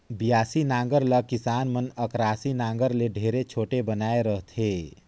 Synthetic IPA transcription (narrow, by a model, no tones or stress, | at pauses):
bijaːsinãːŋɡəɾləkɪsaːnmənəkɾaːsinãːŋ̆ɡəɾleɖʱeːɾet͡ʃʰoːʈebənaːeɾəɦt̪ʰeː